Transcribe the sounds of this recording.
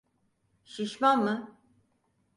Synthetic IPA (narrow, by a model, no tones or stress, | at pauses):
ʃiʃmanmɯ